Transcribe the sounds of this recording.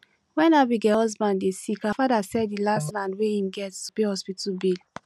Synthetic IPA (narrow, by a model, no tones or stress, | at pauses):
wɛ̃nabiɡɛhɔzbãnddesikafadasɛddilastlãndwehĩmɡɛtupehɔspitbil